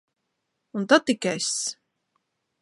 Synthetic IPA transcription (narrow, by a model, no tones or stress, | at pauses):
unt̪at̪ːikʲɛs